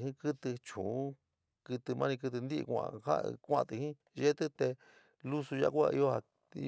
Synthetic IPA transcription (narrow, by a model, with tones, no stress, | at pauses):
ɦĩ˦kɨ˦t̪ɨ˧t͡ʃũː˨˦ | kɨ˧t̪ɨ˧mã˦˧nĩ˧kɨ˧t̪̬ɨ˧nd̪i˦ʔkʷã̰˧ha̰˦kʷã˦˧˨t̪i˧hĩ˦ | ʒe˦t̪ɨ˦t̪e˧ | lu˦su˧ʒa̰˦˧kʷa̰˧ḭ˧o˧ha˧ | ḭ˧